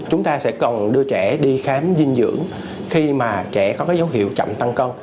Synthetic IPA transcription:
t͡ɕʊ˨˦ŋ͡mt̪aː˧sɛ̰˧˥kɔ˨˩nɗɨ˧ət͡ɕɛ˧˩ɗi˧xaː˨˦mzi˧nzɨ̰˧˥əŋ | xi˧maː˨˩t͡ɕɛ˧˩kɔ˨˦kaː˨˦jzə˨˦wɦḭ˧˨əwt͡ɕa̰˧˨mt̪a˧ŋkə˧w

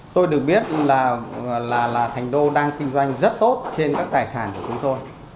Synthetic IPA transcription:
t̪o˧jɗɨ˨˩ək̚ɓi˦˥ət̚laː˨˩˨laː˨˩laː˨˩t̪ʰɛ˨˩jŋ̟ɗo˧ɗaː˧ŋki˧ŋzwa˧jŋ̟zə˦˥t̚t̪o˦˥t̚t͡ɕe˧nkaː˦˥k̚t̪aː˨˩jsaː˧˩nku˧˩ət͡ɕʊ˨˦ŋ͡mt̪o˧j

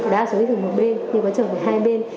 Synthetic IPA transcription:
ɗa̰ː˧˥so˨˦jt̪ʰɨ˨˩mo˨˩t̚ɓe˧nɲɨ˧kɔ˨˦t͡ɕəː˧˩və˨˩ɦaː˧jɓe˧n

